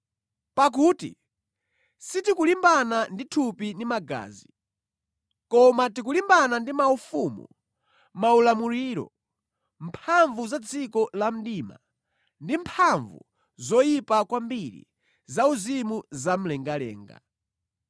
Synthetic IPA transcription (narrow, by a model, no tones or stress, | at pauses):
pak̬uːtḭ | sitikulimbananditʰupinimaɡa̰ːzi | kɔmatikulimbanandimaufumṵ | maulamuɾiːɾɔ̰ | mpʰaɱvuzad͡zikɔlam̩diːma̰ | ndimpʰaɱvṵ | zɔjipakwambiɾḭ | zauzimuzam̩lɛŋɡalɛ̰ːŋɡa̰